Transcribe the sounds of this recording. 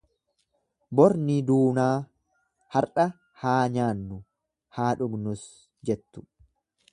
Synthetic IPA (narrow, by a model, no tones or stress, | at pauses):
bɔɾnid̪uːnaː | hɐɾᶑɐ | haːɲaːnːʊ | haːᶑʊɡnʊs | d͡ʒɛt̪ːʊ̥